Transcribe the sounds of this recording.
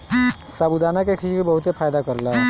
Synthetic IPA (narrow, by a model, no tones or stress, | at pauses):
sabud̪anakekʰit͡ʃkebəɦut̪epʰajd̪akəɾla